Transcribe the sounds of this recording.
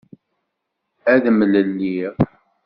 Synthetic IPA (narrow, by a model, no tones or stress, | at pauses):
æðmələlːi